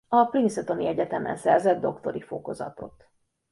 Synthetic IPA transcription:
ɒprint̪sɛt̪o̞niɛɟɛt̪ɛmɛ̰nsɛrzɛd̪̚d̪o̞kt̪o̞ɾifo̞̰ko̞zɒ̰t̪o̞̰t̪

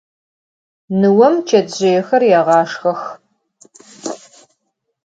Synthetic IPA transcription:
nɨwɐmt͡ʃʰɐdʑɪjɛxɐrjaːʁɑːʂxɐx

